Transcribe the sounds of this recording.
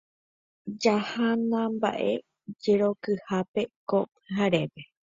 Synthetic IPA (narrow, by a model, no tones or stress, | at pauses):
d͡ʒahanãmba̰ʔe̞ | d͡ʒeɾo̞kɨhape̞kop̚ɨɦaɾe̞pe